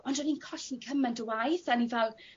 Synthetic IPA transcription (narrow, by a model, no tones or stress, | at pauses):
ɔndɔninkʰɔɬikʰəmɛntəwajθanivɛlˠ